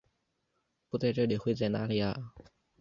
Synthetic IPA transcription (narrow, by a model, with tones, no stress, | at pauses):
pu˥t̪a˥˧ʈ͡ʂɤ˥˩d̪e˨˩xwe˥˧t͡sa˥˩na̰ː˥le˥˧˩a̰˥˧˩